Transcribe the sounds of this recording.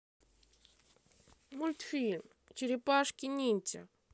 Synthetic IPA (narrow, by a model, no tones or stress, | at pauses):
mulʲt̪filʲm | t͡ʃiɾipaʂkʲinʲinʲt͡sʲa̰